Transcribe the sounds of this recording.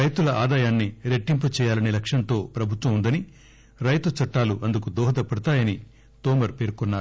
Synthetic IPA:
ɾɐjt̪ulɐʔaːd̪aːjaːnːiɾeʈːimput͡ʃɛːjaːlɐnilɐkʂɐnt̪o̞ːpɾɐbʱut̪ʋɐmund̪ɐni | ɾɐjt̪ut͡ʃɐʈːaːluʔɐnd̪ukud̪ɔːɦɐd̪ɐpɐɽut̪aːjɐni | t̪ɔːmɐɾpe̞ːɾkɔnːaːɾu

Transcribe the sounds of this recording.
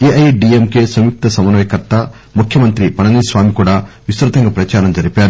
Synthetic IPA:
eːʔɐjɖiemkeːsɐmjuk̚t̪ɐsɐmɐnɐjɐkɐɾt̪ɐ | mukʰjɐmɐnt̪ɾipɐnɐniːsʋaːmikuːɽaːʋisɾɐt̪ɐŋɡɐpɾɐt͡ʃaːɾɐmd͡ʒɐɾipaːɾu

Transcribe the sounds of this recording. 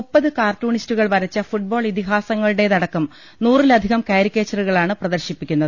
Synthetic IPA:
upːɐðɨkaːrtuːɳistuɣɐɭʋɐɾɐt͡ɕːɐfuʈ̚bo̞ːɭit̪iɦaːsɐŋːɐɭɨɽe̞t̪ɐɽɐkːɐm | nuːrilɐd̪ʱiɣɐmkaːɾikʲːeːt͡ɕːɐruɣɐɭaːɳɨprɐðɐɾɕipːikʲːunːɐðɨ

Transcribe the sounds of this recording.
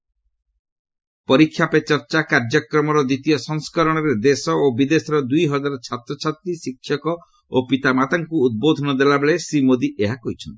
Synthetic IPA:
pɔɾikʰːjapet͡ʃɔɾt͡ʃakaɾd͡ʒɔkɾɔmɔɾɔd̪it̪ijɔsɔŋskɔɾɔɽ̃ɔɾed̪esɔobid̪esɔɾɔd̪ujɦɔd͡ʒaɾɔt͡ʃʰat̪ɾɔt͡ʃʰat̪ɾisikʰːjɔkɔ | opit̪amat̪aŋkuːd̪̚bod̪ʱɔnɔd̪elabeɭesimod̪iʔeɦakoɦit͡ʃʰɔnt̪i̥

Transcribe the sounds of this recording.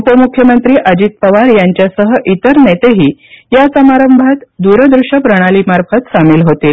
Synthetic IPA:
upəmukʰjəmənt̪ɾiːʔəd͡ʑiːt̪̚pəʋaɾjaɲt͡ɕjasəɦəʔit̪əɾnet̪eɦiːjasəmaɾəmbʱat̪d̪uɾəd̪ɾuʂəpɾəɽ̃aliːmaɾfət̪samiːlɦot̪iːl

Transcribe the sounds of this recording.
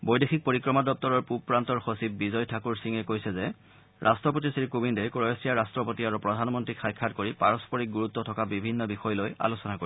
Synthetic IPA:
bojdexʰik̚poɹikɹɔmadɔp̚tɔɹɔɹpupɹantɔɹxosib̚bizɔjtʰakuɹsiŋɛkojsɛzɛ | ɹʔa̰stɹɔp̬otisiɹkubindɛkɹɔjɔsɹijaɹastɹɔpotiaɹupɹɔdʱanmɔntɹikʰajkʰːatkoɹipaɹɔspɔɹik̚ɡuɹut̪ːɔtʰɔkabibʱinːɔbixɔjloja̰lusɔnakoɹi

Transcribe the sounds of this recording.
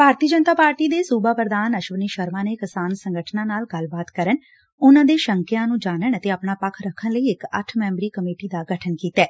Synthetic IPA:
bʱaːɾt̪iəd͡ʒənt̪aːpaːɾʈiːd̪eːsuːbaːpəɾəd̪aːnəʃʋəniːʃəɾmãːneːkɪsaːnsəŋɡəʈʰnãːnaːlɡəlbaːt̪kəɾən | ʊnãːd̪eːʃəŋkjãːnũːd͡ʒaːnəɳət̪eːəpnaːpəkʰɾəkʰːənləiːɪkə̰ʈʰmɛ̃ːmbɾiːkəmeːʈiːd̪aːɡəʈʰənkiːt̪ɛː

